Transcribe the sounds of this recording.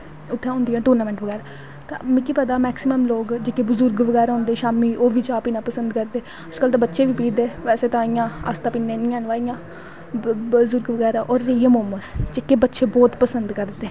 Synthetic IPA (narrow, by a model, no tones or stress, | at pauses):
ʊt̪ʰːẽõːnd̪ijãːʈoːɾnaːmɛ̃ːɳʈʋəɡɛːɾaː | t̪ã̰ːmɪkːiːpɛːd̪aːmɛːksɪməmloːɡd͡ʒeːkebʊzʊɾɡʋəɡɛːɾaːɦõːnd̪eːʃaːmiːʔoːʋiːt͡ʃaːpiːnãːpəsənd̪kəɾd̪eː | əd͡ʒkəlt̪ãːbətːʃeːʋiːpiːd̪eːʋɛːseːt̪ãːijãːa̰st̪ãːpiːnːẽːnɪ̃ːãːnʋaːijãː | zʊɾɡʋəɡɛːɾaːʔɔːɾːiːjə̃ːmoːməst͡ʃɪkːeːbətːʃeːbɔːt̪pəsənd̪kəɾddt̪ːeː